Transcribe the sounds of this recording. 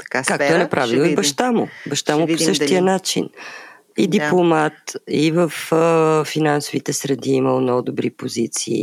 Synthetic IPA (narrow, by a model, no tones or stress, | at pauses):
t̪kakakt̪ʊɛnɐpɾʔavilˠibɐʃt̪amʊ̰bɐʃt̪amʊposɤʃt̪ijənat͡ʃḭn | id̪iplˠomat̪ivəfː | inansovit̪ɛsɾɛd̪iiməlˠnɔɡʊd̪obɾipozit̪sḭː